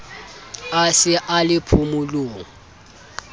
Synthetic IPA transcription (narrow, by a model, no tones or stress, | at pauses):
asɪʔalɪpʰʊmʊlʊːŋ̩